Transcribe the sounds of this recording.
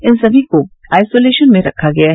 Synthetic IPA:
ɪnsɐbʱiko | aːjsoːleːʃənmẽɾɐ̰kʰaɡɐjaɦ

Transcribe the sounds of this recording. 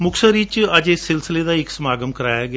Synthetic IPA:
mʊksəɾiːt͡ʃəd͡ʒesɪlsɪleːd̪aːɪksəmaːɡəmkəɾaːjaːɡɪa

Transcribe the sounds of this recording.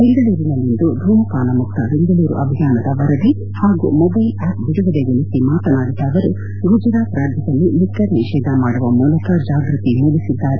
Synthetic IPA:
beŋɡ̪ɐɭuːɾinɐlːind̪ud̪ʱuːmɐkaːnɐmuk̚t̪ɐbeŋd̪ɐɭuːɾṵʔɐbʱijaːnɐd̪ɐʋɐɾɐd̪i | haːɡṵmɔbɐjlaːp̚biɽuʋɐd̪eɡolisimaːt̪ɐnaːɡid̪aːd̪ɐɾu | ɡud͡ʒɾaːt̪ɾaːɾd̪ʱjɐd̪ɐlːilikːɐɾniʃɛːd̪ʱɐmaːɽuʋɐmuːlɐkɐd͡ʒaːɡɾit̪imulisid̪ːaːɾe

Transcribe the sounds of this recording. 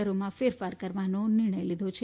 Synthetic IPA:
əɾomãfeɾfaɾkəɾʋanonɪɾɳ̃əjlid̪ʱot͡ʃʰe

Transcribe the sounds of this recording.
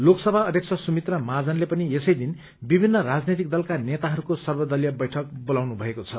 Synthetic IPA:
loksʌbʱaʌd̪ʱjeksʰʌsumit̪rʌmad͡zʌnlepʌniesʌjd̪in | bibʱinːʌrad͡znet̪ik̚d̪ʌlkanet̪aɦʌɾukosʌrbʌd̪ʌljʌbʌjʈʰʌk̚bolawnubʱʌekot͡sʰʌ

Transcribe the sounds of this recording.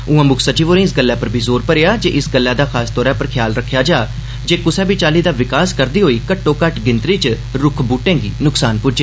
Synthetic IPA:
ʊãːmʊkʰsət͡ʃiːʋoːɾẽːɪs̬ɡəlːaːpəɾbʱiːzoːɾpəɾejaːd͡ʒḛːʔɪsɡəlːaːd̪aːxʰaːst̪ɔːɾɛ̃ːpəɾkʰɪjaːlɾəkʰːjaːd͡ʒaː | d͡ʒeːkʊsɛ̃ːbiːt͡ʃaːliːd̪aːʋɪkaːskəɾd̪iːɦoːiːkəʈːõːkəʈɡɪnt̪ɾiːt͡ʃ | ɾʊkʰbuːʈẽːŋɡiːnʊksaːnpʊd͡ʒeː

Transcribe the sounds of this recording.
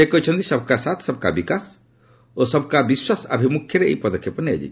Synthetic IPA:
ekɔjt͡ʃʰɔnt̪isɔbʱɔkasat̪ʰsɔbɔkabikas | osɔbʱkabiswasa̰bʱimukʰjɔɾeḛjpɔd̪ɔkʰjɔpɔnia̰d͡ʒḭt͡ʃʰ

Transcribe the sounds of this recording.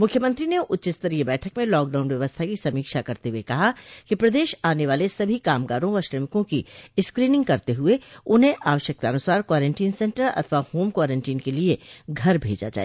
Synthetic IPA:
mʊkʰːjəmə̃nt̪ɾineʔʊt̪ːʃɪst̪əɾijebɛːʈʰəkmẽlɔːk̚ɖaːʊnʋjɐʋəst̪ʰakisɐmiːkʃakɐɾt̪eɦuekɐɦakipɾɐd̪eːʃaːneʋaːlesɐbʱikaːmɡaːɾõʋɐɾʃɾəmɪkõkiɪskɾiːnɪ̃ŋɡkɐɾt̪eɦʊeʊnɦẽʔaːʋəʃjək̚t̪aɐnʊsaːɾkwaːɾẽɳʈiːnsɛ̃ɳʈəɾɐ̰t̪ʰʋahoːmkwaːɾẽɳʈiːnkelieɡʱɐɾbʱḛːd͡ʒa̰d͡ʒa̰ːḛː

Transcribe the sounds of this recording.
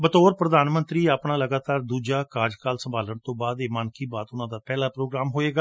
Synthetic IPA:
bət̪oːɾpɾəd̪aːnmə̃nt̪ɾiːaːpɳaːləɡaːt̪aːɾd̪uːd͡ʒaːkaːɾd͡ʒkaːlsəmbʱaːləɳt̪õːbaːd̪eːmaːnkiːbaːt̪ʊnãːd̪aːpɛːlaːpɾoːɡɾaːmɦoːeːɡaː

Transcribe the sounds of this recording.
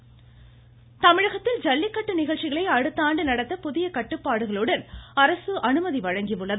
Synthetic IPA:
t̪ɐmɪɻɐɣɐt̪ːɪld͡ʒɐlːɪkːɐʈːɯnɪɣɐɭt͡ʃːɪɣɐɭɐɪɐɻɯt̪ːaːɳɖɯnɐɽɐt̪ːɐpʊðɪjɐkɐʈːɯpːaːɽɯɣɐɭɯɽɐnɐɾɐsɯʔɐnɯmɐðiʋɐɻɐŋɡɪʋɯɭːɐð

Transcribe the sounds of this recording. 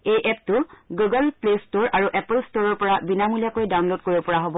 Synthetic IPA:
ejʔɛp̚tʊɡuɡəlplestoɹaɹuʔɛpəlstoɹɔɹpɔɹabinamulijakojdawnlod̚koɹibɔpɔɹaɦobɔ

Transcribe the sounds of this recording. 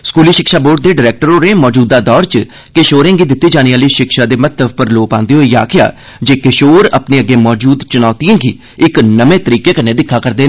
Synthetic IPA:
skuːliːʃɪkʃaːboːɖ̚d̪eːɖɪɾɛːk̚ʈəɾoːɾeːmɔːd͡ʒuːd̪ːaːd̪ɔːɾt͡ʃ | keʃoːɾẽːɡiːd̪ɪt̪ːiːd͡ʒaːñiːaːliːʃɪkʃaːd̪eːmət̪t̪ːəbpəɾloːpãːnd̪eːɦoːiːja̰ːkʰɪja̰ː | d͡ʒeːkeʃoːɾə̰pneːəɡːeːmɔːd͡ʒuːd̪t͡ʃʊnɔːt̪ijãːɡiː | ɪknəmẽːt̪əɾiːkeːkənːeːd̪ɪkʰːaːkəɾd̪eː

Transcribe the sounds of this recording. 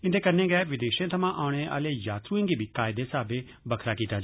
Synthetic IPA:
ɪ̃nd̪ekɐɾnẽːɡɛːʋɪd̪eːʃẽt̪ʰɐmãʔaːʊɽ̃eʔa̰ːlejaːt̪ʰuẽŋɡibʱikaːɪd̪esaːbe | bɐkʰɾakiːt̪ad͡ʒ

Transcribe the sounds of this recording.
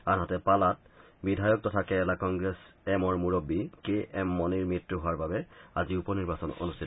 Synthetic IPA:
anɦɔtɛpalat̚bidʱajɔk̚tɔtʰakɛɛlakɔŋɡɹɛsɛmɔɹmuɹobikeʔɛmːɔniɹmitɹuɦoaɹbabɛa̰ziupɔniɹbasɔno̰nustʰitɔ

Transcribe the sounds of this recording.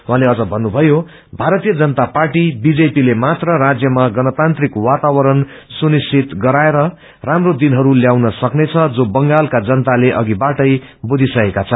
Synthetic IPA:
wɦãleʌd͡zʌbʱʌnːubʱʌjo | bʱaɾʌt̪ijʌd͡zʌnʌt̪aparʈibid͡zepilemat̪rʌɾad͡zjʌmaɡʌnʌt̪ant̪rikwat̪awʌɾʌn | sunisʰit̪ɡʌɾaeɾʌ | ramrod̪inɦʌɾuljawnʌsʌknet͡sʰʌd͡zobʌŋɡalkad͡zʌnt̪aleʔʌɡibaʈʌj | bud̪ʱisʌkekat͡sʰʌ

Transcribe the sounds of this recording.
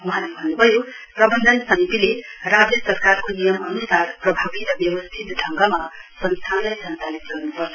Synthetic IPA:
wʌɦãlebʱʌnːubʱʌjo | prʌbʌnd̪ʱʌnsʌmit̪ilerabesʌrkarkonijʌmʌnusarprʌbʱabiɾʌbjʌwʌst̪ʰit̪dʱʌŋɡamasʌnst̪ʰanlajsʌnt͡salit̪ɡʌrnupʌrt̪ʰ

